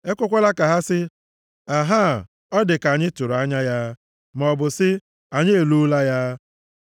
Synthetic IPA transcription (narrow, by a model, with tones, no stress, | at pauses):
e˦kʷʊ˦kʷa˦la˦ka˨ɦa˦sɪ˦ | a˨ɦa˦˨ | ɔ˦dɪ˨ka˨ɲɪ˦tʊ˨ɾa˦ɲa˦ja˦ | m˨ɔ˨bʊ˨sɪ˦ | a˨ɲe˦e˨lu˦la˦ja˦